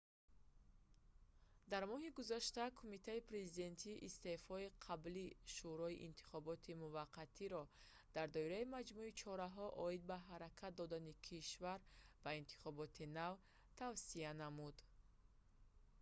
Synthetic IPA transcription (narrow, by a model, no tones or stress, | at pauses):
d̪aɾmɔɦiɡuzaʃt̪akʰumit̪ʰaipɾe̞zid̪e̞nt̪ʰiʔːst̪e̞fɔiqʰabliʃuɾɔiʔint̪ʰi̥χɔbɔt̪ʰimuvaqʰːat̪ʰiɾɔ | d̪̥aɾd̪ɔiɾaimad͡ʒmuit͡ʃʰɔɾaɦɔʔɔid̪̚baɦaɾakʰat̪̚d̪ɔd̪anikʰiʃvaɾbaint̪ʰi̥χɔbɔt̪ʰinav | t̪ʰavsianamud̪